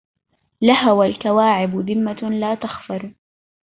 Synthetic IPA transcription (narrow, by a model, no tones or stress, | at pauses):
lahawalkawaːʕɪbʊðɪmːalaːt̪axfɑɾˤ